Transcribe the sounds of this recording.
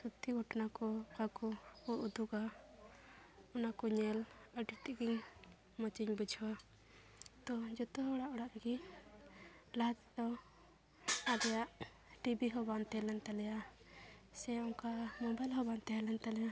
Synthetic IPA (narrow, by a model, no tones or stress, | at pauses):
sut̪ʰːiɡʱɔʈnakɔkakɔkɔʔud̪uɡa | ɔnakɔɲɛləɖit̪iʔɡiɲ | mɔt͡ʃiɲbəd͡ʒʱɔa | t̪ɔd͡ʒɔt̪ɔɦɔɔɽaʔɔɽaʔɡi | lad͡ʒd̪ɔ | ad̪ɛjaʔ | ʈibiɦɔbant̪ɛlɛnt̪alɛja | sɛɔŋkamɔbajlɦɔbant̪ɛalɛnt̪alɛja